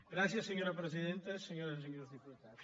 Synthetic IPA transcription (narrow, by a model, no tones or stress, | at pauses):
ɡɾaθjɐsːeɲoɾɐpɾesiðẽnt̪ɐseɲoɾɐeɲoɾzðiput̪aðo